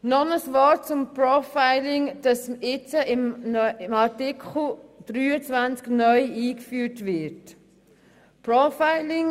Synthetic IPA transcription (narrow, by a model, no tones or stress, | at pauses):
nɔnəsvɔt͡sʊmpɾɔfaɪlɪŋd̥ɑsɪt͡səɪmnɪmɑɾtɪkʰχl̩d̥ɾyːət͡sʋant͡sknœʏiːkfyːtvɪt | pɾɔfaɪlɪŋ